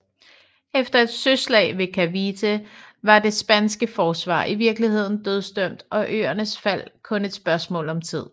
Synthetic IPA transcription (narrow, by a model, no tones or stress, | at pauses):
efd̥ɐe̝d̥søslɛ̰ːɪʋe̝kʰæʋit͡sʰeʋɑ̈d̥e̝sb̥ænsɡ̥əfɒːsʋɑ̰̈ːʔiʋiɐɡ̥lihe̝ð̰ˠn̩d̥øð̞ˠsd̥øm̰d̥ɒ̽ʔø̰ːɐnəsfæl̰kʰɔ̽ne̝d̥sb̥ɶɐsmɔ̰̽ːlɒ̽mt͡sʰið̞̰ˠ